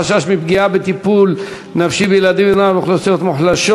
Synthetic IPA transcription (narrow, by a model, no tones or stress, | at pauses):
aʃaʃmipɡiabet̪ipul | nafʃibejelad̪imenameχlosijo̞t̪muħlaʃo